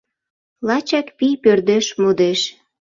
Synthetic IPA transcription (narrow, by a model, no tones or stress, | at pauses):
lɑt͡ɕɑkpijpørd̪eʃmod̪eʃ